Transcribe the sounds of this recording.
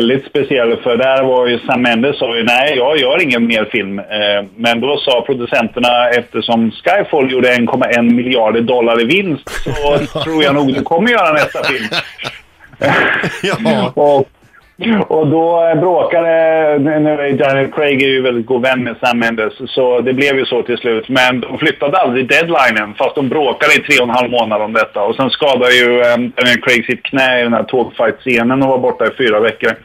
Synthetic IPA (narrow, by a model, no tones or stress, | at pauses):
ɛld̪ɪt̪spɛsɪɛlːfœɖæɾvajɵsamːɛnd̪əssɑːjɵnɛɪjɑːɡjœːɾɪŋːənmeːɾfɪlmː | ɛnd̪ɔsɑːpʰɾʊd̪ɵsɛnt̪əɳaɛft̪əʂɔmskajfɔljuːɖəɛnkʰɔmːaɛnmɪljɪɑːɖəɖɔlːaɾɪvɪnst̪sɔtt̪ʰɾuːɾjanuːɡd̪ɵkʰɔmːəɾjœːɾanɛst̪afɪlm | ɔ | ʔɔd̪ɔbɾoːkad̪ənæd̪anəlkʰɾɛɪɡæɾjɵvɛld̪ɪt̪̚ɡuːd̪vɛnːmɛsamɛnd̪əssɔd̪ɛblɛvjɵsɔt̪ʰɪlslʉ̟ːt̪mɛnd̪ɔmflʏt̪ːad̪əald̪ɾɪd̪ɛd̪lajnənfast̪d̪ɔmbɾoːkad̪əɪt̪ʰɾeːɔnhalvmoːnad̪əɔmd̪ɛt̪ːaɔsɛnskɑːd̪ad̪əjɵd̪anɪənkʰɾɛɪɡsɪt̪̚kʰnɛːɪd̪ɛnhæːʈʰoːɡfajt̪seːnənɔvaɾbɔʈːaɪfyːɾavɛkːəɾ